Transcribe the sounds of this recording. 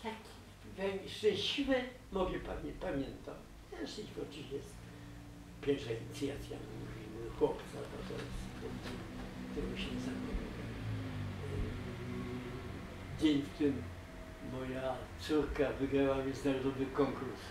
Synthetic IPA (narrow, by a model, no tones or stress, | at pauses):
t̪akʲi̥ | vʲɛŋʂt͡ʂɛ̃ɕivɛ | mɔvʲjɛpamʲɛpamʲjɛnt̪a̰m | ɛʂispɔt͡ʂɨɕjɛst̪ | pʲjɛɾʂaiɲit̪sʲjat̪sʲja̰muuvʲimuxwɔpt̪sabɔt̪ɔ̰jɛst̪t̪ɛtɛt̪ɛmuɕɛɲɛzakɔnujɛ | d͡ʑeɲft̪ɪmː | ɔjat̪suɾkavɘɡɾawamʲɛ̃nzɪnaɾɔd̪ɔvɘkɔŋkuɾs